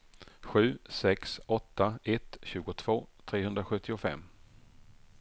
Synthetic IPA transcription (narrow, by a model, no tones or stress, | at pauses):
ɧʉ̟ːsɛksɔt̪ːaɛt̪ɕʉ̟ːɡʊt̪ʰv̥oːt̪ʰɾeːɦɵnd̪ɾaɧɵt̪ːɪʊfɛ̰mː